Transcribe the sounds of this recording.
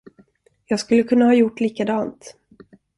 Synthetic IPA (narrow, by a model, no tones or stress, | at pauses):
jɑːɡskɵlːəkʰɵnːahɑːjʊʈːliːkad̪ɑːnt̪